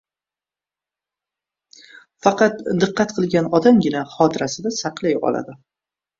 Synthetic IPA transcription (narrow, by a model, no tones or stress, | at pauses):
fɑqɑt̪d̪ɨqːɑt̪qʰɨlˠɡʲanɒd̪amɡʲɪnaχɒt̪ʰɪɾasɪd̪asɑqʰlˠajɒ̰lˠa̰d̪ɪ